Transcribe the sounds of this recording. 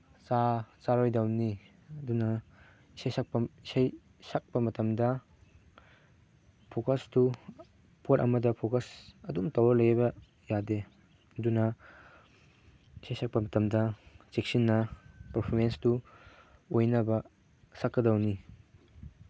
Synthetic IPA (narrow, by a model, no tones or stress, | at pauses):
t͡ʃat͡ʃaɾojdɐwni | ɐdunɐ | isajsak̚pɐisaj | sak̚pɐmɐtɐmdɐ | pʰokɐstu | pʰotɐ̰mɐdɐpʰokɐsɐdumtɐwɐlɐjbɐ | jade | ɐdunɐ | isajsʰak̚pɐmɐtɐmdɐt͡ʃek̚sinːɐpɐɾpʰoɾmenstu | ojnɐbɐ | sɐkːɐdɐwni